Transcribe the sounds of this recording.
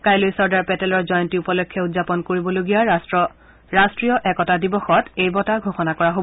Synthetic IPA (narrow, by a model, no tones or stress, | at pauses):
kajlojsɔɹdaɹpɛtɛlɔɹzɔjɔntiupɔlɔkʰːɔutzapɔnkoɹibɔloɡijas | ɹastɹiɔʔɛkɔtadibɔxɔtejbɔtaɡʱoxɔnakɔɹaɦob